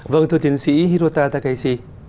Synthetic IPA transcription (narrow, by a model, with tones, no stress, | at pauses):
və˧ŋt̪ʰɨ˧ət̪i˨˦ŋsḭ˧˥ɦi˧ɾo˧t̪aː˧t̪aː˧ka˨˦jsi˧˩